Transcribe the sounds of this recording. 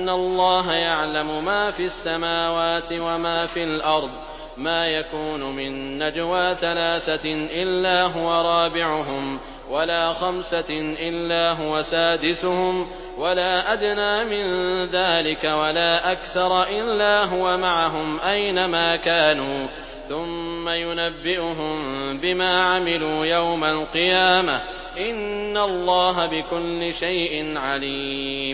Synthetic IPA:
ʔanːalˤːɑːɦajaʕlamʊmaːfiasːamaːwaːt̪ɪwamaːfiːalʔɑɾˤd̪ˤ | maːjakuːnʊmɪnːad͡ʒwaːθalaːθaʔɪlːaːɦʊwaɾˤɑːbɪʕʊɦʊm | walaːxamsaʔɪlːaːɦʊwasaːd̪ɪsʊhʊm | walaːʔad̪naːmɪnðaːlɪkawalaːʔakθɑɾˤʔɪlːaːɦʊwamaʕaɦʊmʔajnamaːkaːnuː | θʊmːajʊnabːɪʔʊɦʊmbɪmaːʕamɪluːjawmalqɨjaːma | ʔɪnːalˤːɑːɦabɪkʊlːɪʃajʔɪnʕaliːm

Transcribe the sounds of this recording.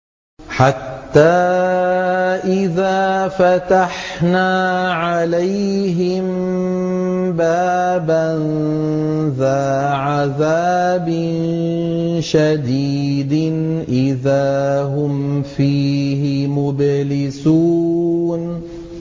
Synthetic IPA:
ħat̪ːaː | ʔɪðaːfat̪aħnaːʕalajɦɪm | baːban | ðaːʕaðaːbɪ | n | ʃad̪iːd̪ɪnʔɪðaːɦʊmfiːɦɪmʊblɪsuːn

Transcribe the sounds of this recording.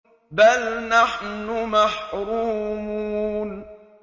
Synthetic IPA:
balnaħnʊmaħɾuːmuːun

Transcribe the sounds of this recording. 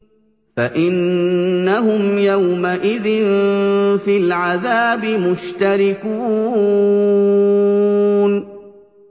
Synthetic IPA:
faʔɪnːaɦʊmjawmaʔɪðɪn | filʕaðaːbɪmʊʃt̪aɾɪkuː | n

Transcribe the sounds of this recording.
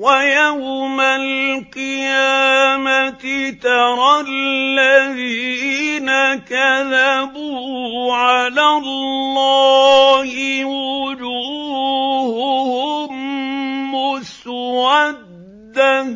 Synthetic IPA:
wajawmalqɨjaːmat̪ɪt̪ɑɾˤɑlːaðiːnakaðabʊhʕalalːɑːhɪwʊd͡ʒuː | hʊhʊmː | ʊswad̪ːa

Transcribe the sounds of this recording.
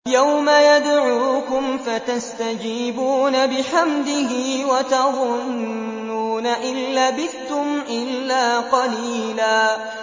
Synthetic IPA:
jawmajad̪ʕuːkʊmfat̪ast̪ad͡ʒiːbuːnabɪħamd̪ɪhɪwat̪ɑðˤʊnː | uːnaʔɪlːaːbɪθʊmʔɪlːaːqɑliːlaː

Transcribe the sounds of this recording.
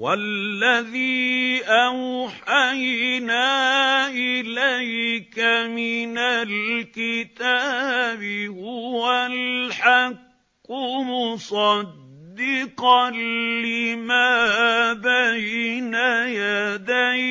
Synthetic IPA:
walːaðiːʔawħajnaːʔɪlajkamɪnalkɪt̪aːbɪhʊwalħakː | ʊmʊsˤɑdd̪ːɪqɑlɪmaːbajnajad̪aj

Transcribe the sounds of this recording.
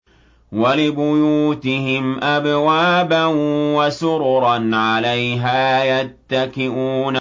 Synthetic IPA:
walɪbʊjuːt̪ɪhɪmʔabwaːbanwasʊɾɾˤɑnʕalajɦaːjat̪ːakɪʔuːna

